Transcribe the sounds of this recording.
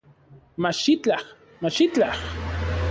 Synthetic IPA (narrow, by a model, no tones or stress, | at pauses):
maʃɪt͡ɬɑχ | maʃɪt͡ɬɑχ